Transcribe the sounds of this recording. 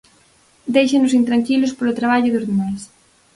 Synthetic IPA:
d̪ejʃenʊsint̪ɾaŋkilʊspolʊt̪ɾaβ̞aʎʊðʊzðemajs

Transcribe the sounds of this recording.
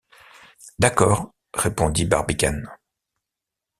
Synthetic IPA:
d̪akɔːʁ | ʁepɔ̃d̪ibaʁbikʲan

